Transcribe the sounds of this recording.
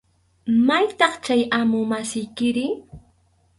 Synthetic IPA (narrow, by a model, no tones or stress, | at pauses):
majt̪ɑχt͡ʃajamʊmasɪjkɪɾɪ